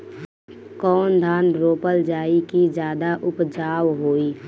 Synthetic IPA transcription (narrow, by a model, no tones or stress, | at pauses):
kɔːnd̪ʱaːnɾoːpəld͡ʒaːikid͡ʒjaːd̪aʔʊpd͡ʒaːwɦoːiː